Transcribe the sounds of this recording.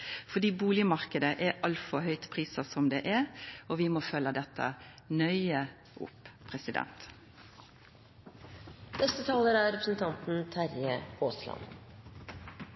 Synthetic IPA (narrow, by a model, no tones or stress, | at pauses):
fɔd̪iːbuːlɪəmɑʁkəd̪əʔɛɑlt̪fɔhœʏt̪pʰʁiːsəsɔmd̪ɛːʔɛɔʋɪmɔːfœlːəd̪ɛt̪ʰːə̰ | nœʏə | ʔʊ̰pːpʰʁɛsɪd̪ɛ̰nt̪ | nɛst̪ət̪ʰɑːləɾæːɾɾɛpɾə̥sn̩t̪ʰɑnt̪n̩t̪ʰæɾjəoːslɑ̰n